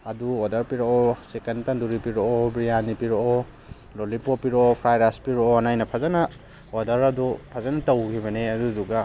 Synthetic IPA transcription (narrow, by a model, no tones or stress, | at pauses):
ɐduodɐɾpiɾoɔsekɐntɐnduɾipiɾoɔbɾijanipiɾoɔ | lolipopiɾoopʰɾajɾaspiɾoonajnɐpʰazanɐ | odɐɾɐdupʰazanɐtɐwkʰiβɐneɐduduɡɐ